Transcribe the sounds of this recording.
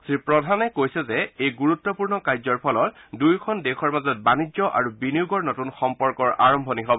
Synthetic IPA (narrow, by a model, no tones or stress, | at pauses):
sɹipɹɔdʱanɛkojsɛzɛejɡuɹutːɔpuɹnɔkajzɔɹpʰɔlɔtdujkʰɔndɛxʰɔɹmazɔt̚banizɔʔa̰ɹubinijuɡɔɹnɔtunxɔmpɔɹkɔɹa̰ɹɔmbʱɔniɦɔbɔ